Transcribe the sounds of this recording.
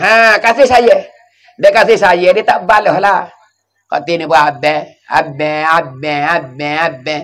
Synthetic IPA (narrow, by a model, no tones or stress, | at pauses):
ɦãkasesajɛ | dɛkasesajɛditabalɛhɔla | kɔ̰tinibɔabɛ̃ | a̰bɛ̃abɛ̃abɛ̃abɛ̃